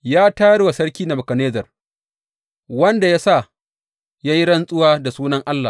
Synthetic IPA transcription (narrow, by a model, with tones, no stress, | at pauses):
jaː˦ta˦jɐ˦ɽwa˨sɐ˦ɽkʲiː˦na˨bʊ˨kɐ˨neː˦zɐ˨r | wɐ˦nda˨ja˦sa˦˨ | jaː˦ji˦ɽɐ˦nsʼʊ˦waː˦da˨suː˦nɐ˦ŋʔa˦lːa˨